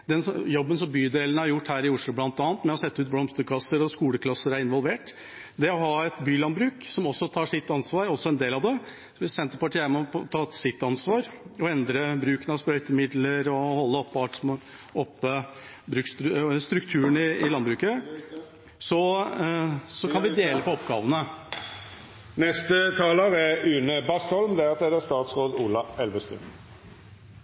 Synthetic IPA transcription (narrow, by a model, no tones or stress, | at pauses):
d̪ɛnjɔbːəns̬ɔmbyːd̪eːlənəæɾjʊʈːhæːɾɪʊʂlʊblɑnt̪ɑːnət̪mɛɔsɛt̪ːəʉːt̪̚blɔmst̪əkʰlɑsːəɾɔskuːləkʰlɑsːəɾæɾɪnʋɔlʋeːʈ | d̪ɛɔɦɑːɛt̪byːlɑnbɾʉːksɔmɔsːɔt̪ʰɑːʂɪt̪ːɑnsʋɑːɾɔsːɔɛnd̪eːlɑʋd̪ɛ | sɔʋɪsɛnt̪ːəpɑʈʰiæɾmɛɔɔt̪ʰɑːt̪sɪt̪ːɑnsʋɑːɾɔɛnd̪ɾəbɾʉːkənɑʋspɾœʏt̪əmɪd̪ləɾɔhɔlːəɔpːɑʈ | ɔpːə | bɾʉksst̪ɾʉkt̪ʰʉːɾənɪɪlɑnbɾʉːkə | sɔ | sɔkʰɑnʋɪd̪eːləpɔɔpɡɑːʋənə | nɛst̪ət̪ʰɑːləʁɛʉːnəbɑst̪ɔlmd̪æsɛd̪ɛst̪ɑːt̪sʁoːd̪uːlɑɛlʋəst̪ʉ̰n